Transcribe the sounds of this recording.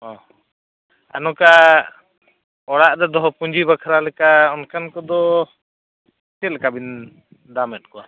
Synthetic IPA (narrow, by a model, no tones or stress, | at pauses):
ɔ̃ | a̰nɔka | ɔɽaʔdɛd̪ɔɦɔpuɲd͡ʒibakʰɾalɛkaɔnkankɔd̪ɔ | sɛlɛkabin | d̪amɛt̪̚kɔa